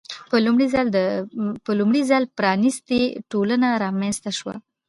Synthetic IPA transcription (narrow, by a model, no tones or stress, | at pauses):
pəlumɽizɑld̪əpəlumɽizɑlpɾɑnist̪eʈolənaɾɑmenst̪aʃwa̰